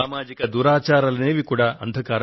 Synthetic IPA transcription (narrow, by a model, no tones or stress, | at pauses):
aːmaːd͡ʒikɐd̪uːɾaːt͡ʃaːɾɐlɐneːʋikuːɽaːɐ̰nd̪ʱɐkaːɾɐ